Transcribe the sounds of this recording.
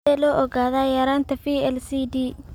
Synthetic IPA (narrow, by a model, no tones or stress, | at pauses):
ɛːlɔːʔɔɣaːðaːjaːɾaːnt̪ʰɐfiːɛlsiːdiː